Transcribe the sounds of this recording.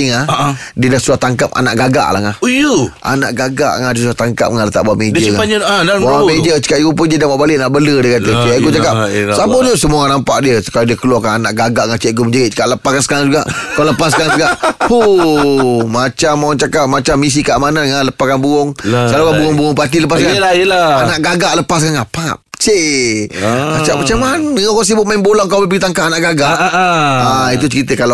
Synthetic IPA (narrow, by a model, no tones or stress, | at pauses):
iŋahdiədahsuat̪aŋkap̚a̰naʔɡaɡa̰ʔla̰ŋahuja̰na̰ʔɡaɡa̰ʔŋadiəs̬uat̪aŋka̰p̚ŋalət̪aʔbawamedəkaaɲadabawamed͡ʒət͡ʃə̥kaiɡupəndədapaʔbalɪʔnaʔbələdəkat̪ət͡ʃaɡut͡ʃakapsabodusəmuanampaʔdiəsə̥kaodiəkəluakananaʔɡaɡaʔŋat͡ʃaʔɡuməɲd͡ʒaiʔt͡ʃə̥kaʔləpakansə̥kaɾaŋd͡ʒuɡaʔkaləpasəkaɾaŋsəɡaʔhu | mat͡ʃamːant͡ʃakap̚mat͡ʃamːis̬ikaʔmanaŋaləpaskanbuɣɔŋsalakabuɣɔŋbuɔŋpat̪̬iləp̬as̬kanaəlaanaʔɡaɡaʔləpas̬kanapap̚t͡ʃe | ŋat͡ʃaʔmat͡ʃamanakaŋs̬ibʊt̪̚mainbolaŋkawbəbəɡit̪aŋkaʔanaʔɡaɡaʔait̪̬ut͡ʃəɾit̪əkala